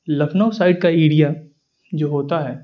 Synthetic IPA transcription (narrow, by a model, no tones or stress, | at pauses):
lɐfʰnaʊsaːɪɖ̚kaeːɽija | d͡ʒoːɦoːt̪aɦɛː